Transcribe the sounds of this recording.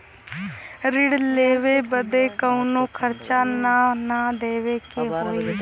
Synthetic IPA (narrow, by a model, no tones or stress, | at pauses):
ɾɪɽleːʋeːbəd̪eːkəunõːkʰəɾt͡ʃaːnanaːd̪eːʋeːkeɦoːi